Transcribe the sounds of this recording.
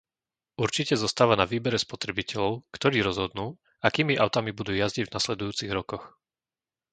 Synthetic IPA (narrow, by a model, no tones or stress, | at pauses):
ʔuɾt͡ʃicɛzɔst̪aːʋanaʋiːbɛɾɛspɔt̪ɾɛbicɛʎɔʊkt̪ɔɾiːɾɔzɦɔd̪nuː | akiːmiʔaʊt̪amibud̪uːjazɟiɟvnaslɛd̪ujuːt͡siɣɾɔkɔx